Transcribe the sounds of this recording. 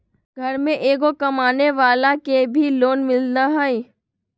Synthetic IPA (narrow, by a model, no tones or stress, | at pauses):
ɡʱɐɾmẽʔeːɡokɐmaːneʋaːlakebʱiloːnmɪlnaɦai